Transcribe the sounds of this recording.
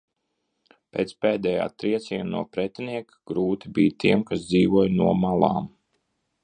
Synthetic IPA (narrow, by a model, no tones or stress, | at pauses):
pʲeːt̪speːd̪ɛja̰ːt̪ɾiɛt̪siɛnnːṵɔpɾɛt̪ʲiniɛk | ɡ̥ɾuːt̪ibiːt̪iɛmkas̬d̪ziːʋuɔjnuɔmalˠɑ̰ːm